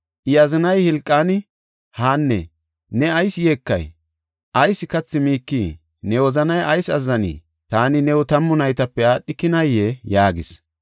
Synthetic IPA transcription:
ʔɪjɐzɪnɐjhɪlkʼːaːnɪ | haːnːɛ̰ | nɛɐjsjeːkːɐ̰j | ʔɐjsɪkɐt͡sːɪmiːkːiː | nɛwɔzɐnɐjɐjsɐzːɐnḭː | t̪aːnɪnɛwʊt̪ɐmːʊnɐjt̪ɐpːɛaːɗːɪkːɪnɐjːejaːɡɪs

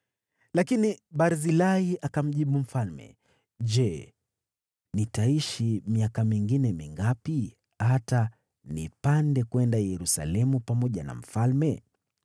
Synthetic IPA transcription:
lakiniɓaɾzilaiʔakam̩ʄiɓum̩falmɛ̰ | ʄɛ | nitaiʃimiakamiŋɡinɛmiŋɡapi | hata | nḭpandɛkwɛndajɛɾusa̰lɛmupamɔʄana̰m̩falmɛ

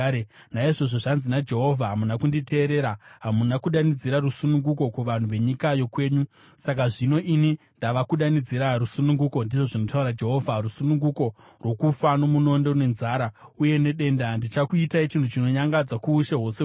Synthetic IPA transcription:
naiʐo̞ʐoʐanzinad͡ʒe̞ɦo̞vʱaɦamunakundite̞ːɾe̞ːɾaɦamunakuɗanid͡ziɾarusunuŋɡuko̞kuʋan̤uʋe̞ɲikajo̞kwe̞ːɲusakaʐino̞ʔini | ndaʋakuɗanid͡ziɾarusunuŋɡuko̞ndiʐo̞ʐino̞tauɾad͡ʒe̞ɦo̞ːvʱarusunuŋɡuko̞ | rwo̞kufano̞muno̞ndo̞ne̞nzaːɾauje̞ne̞ɗe̞ndandit͡ʃakuitait͡ʃintʰut͡ʃino̞ɲaŋɡad͡zakuːʃeɦo̞se

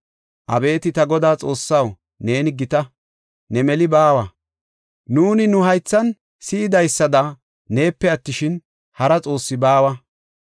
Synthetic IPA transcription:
ʔɐbe̞ːt̪ɪt̪ɐɡɔd̪aːt͡sʼo̞ːsːɐw | ne̞ːnɪɡɪt̪ɐ | nɛmɛlɪbaːwɐ | nuːnɪnʊɦɐjt͡sːɐn | sɪɪd̪ɐjsːɐd̪ɐ | ne̞ːpːɛɐt̪ːɪʃɪn | hɐɾɐt͡sʼo̞ːsːɪbaːwɐ

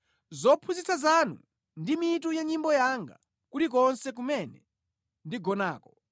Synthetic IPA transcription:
zɔpʰuzit͡sazanṵ | ndimit̬ujaɲimbɔjaŋɡa̰ | kutik̬ɔnsɛk̬umɛnɛ | ndiɡɔnaːkɔ

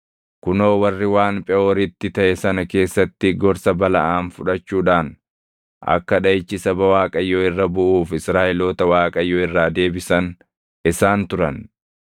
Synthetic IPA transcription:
kʊnoːwɐrːɪwaːnpʼɛʔoːɾɪt̪ːɪt̪ɐʔɛsɐnɐke̞ːsːɐt̪ːɪɡɔɾsɐbɐlɐ̰ʔaːnfʊᶑɐt͡ʃːuːᶑaːn | ʔɐ̰kːɐᶑɐjɪt͡ʃːɪsɐbɐwaːkʼɐjːoːɪrːɐbʊʔuːfɪsɾaːʔɪloːt̪ɐwaːkʼɐjːoːɪrːaːd̪e̞ːbɪsɐn | ɪsaːnt̪ʊɾɐn

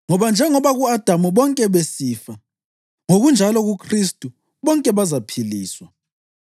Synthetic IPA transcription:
ŋɔβand͡ʒʱɛŋɔβaɣuad̥ʱamuβɔŋkʼɛβesiːfa | ŋoɣund͡ʒʱalɔɣukʰristʼu | βɔŋkʼɛβazapʰiliːswa

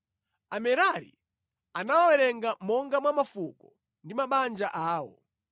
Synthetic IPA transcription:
amɛɾaɾḭ | anawawɛɾɛŋɡamɔŋɡamwamafukɔ | ndimaɓand͡ʒaʔaːwɔ̰

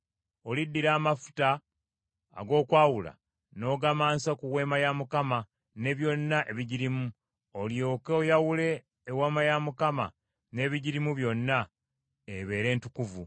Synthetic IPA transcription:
o̞lidːiɾaːmafu̥ta̰ː | ɡo̞ːkwaːwula̰ | no̞ːɡamaːnsakuwe̞ːmajamukama | ne̞ːβjo̞nːaʔe̞βiɟiɾimu | oljo̞ːkeojawule̞ː | wamajamukama̰ | ne̞ːβiɟiɾimuβjo̞nːa | eβe̞ːɾe̞ːntukuvu

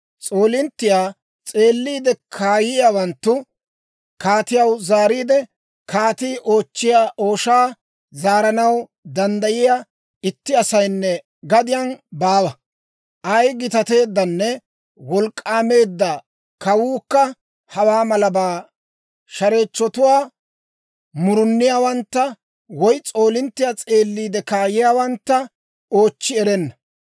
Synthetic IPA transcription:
t͡sʼo̞ːlɪnt̪ːɪjaː | t͡sʼe̞ːlːiːd̪ɛkʰaːjɪjawɐnt̪ːʊ | kaːt̪ɪjɐwzaːɾiːd̪ɛ | kʰaːt̪iːʔo̞ːt͡ʃːɪjaːʔo̞ːʃaː | zaːɾɐnɐw | d̪ɐnd̪ɐjɪja | ɪt̪ːɪɐsɐjnːɛ | ɡɐd̪ɪjanbaːwɐ | ʔɐjɡɪt̪ɐt̪e̞ːd̪ːɐnːɛ | wɔlkʼːaːme̞ːd̪ːɐ | kɐwuːkːɐ | hɐwaːmɐlɐbaː | ʃɐɾeːt͡ʃːɔt̪ʊwaː | mʊɾʊnːɪjaːwɐnt̪ːɐ | wɔjt͡sʼo̞ːlɪnt̪ːɪjat͡sʼe̞ːlːiːd̪ɛkaːjɪjaːwɐnt̪ːɐ | o̞ːt͡ʃːɪɛɾɛnːɐ

